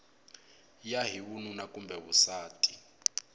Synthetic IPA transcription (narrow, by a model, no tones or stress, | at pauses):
jaɦiβununakʼumbʱɛβusaːtʼi̥